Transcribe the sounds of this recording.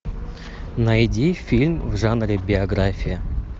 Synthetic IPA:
nɐjdʲifʲilʲmvʐanɾʲɪbʲɪɐɡɾafʲɪjɪ

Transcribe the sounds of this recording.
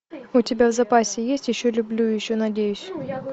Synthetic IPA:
ʊtʲɪbʲavzɐpasʲɪjesʲtʲjɪɕːolʲʊblʲujɪɕːonɐdʲejʊsʲ

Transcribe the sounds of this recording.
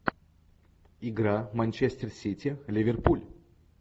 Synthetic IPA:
ɪɡɾamɐnʲt͡ʃesʲt̪ʲɪrsʲit̪ʲɪlʲɪvʲerpulʲ

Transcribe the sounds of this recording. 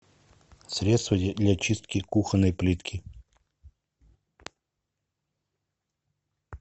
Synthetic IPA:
sɾʲet̪st̪vəd̪lʲat͡ɕist̪̚kʲɪkuxənːəjplʲit̪kʲɪ

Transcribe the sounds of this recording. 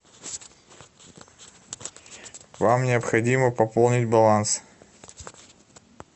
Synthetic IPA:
vamnʲɪəpxɐdʲiməpɐpolˠnʲɪtʲbɐlˠans

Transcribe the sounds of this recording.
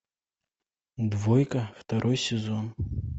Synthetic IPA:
d̪vɔjkɐft̪aɾʔɔjsʲɪzɔn

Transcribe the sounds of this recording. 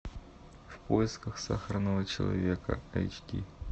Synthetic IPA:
fpojɪskəxsaxəɾənəvət͡ɕɪlˠɐ̰vʲekə̰ɐ̰jt͡ɕkʲḭ

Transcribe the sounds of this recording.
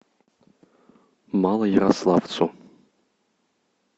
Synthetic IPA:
malˠɐjɛɾaslˠavt͡sʰo

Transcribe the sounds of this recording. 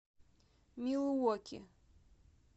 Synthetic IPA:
milɨwɔkʲʰɪ̰

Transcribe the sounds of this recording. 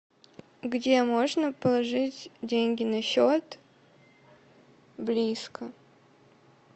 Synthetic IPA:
ɡdʲemoʐnəpəlˠɐʐɨtʲdʲenʲɡʲɪnɐɕot̪ | blʲiskə

